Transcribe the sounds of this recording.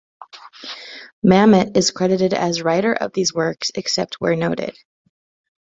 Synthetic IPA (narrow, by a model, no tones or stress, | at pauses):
mæmɨɾɨz̥kʰɹ̥ɛɾɨɾɨɾɨ̰zɹaɪɾə˞ʔʌ̰vðizwɜ˞ksɨksɛp̚t̚wə˞noʊɾɪ̰d̥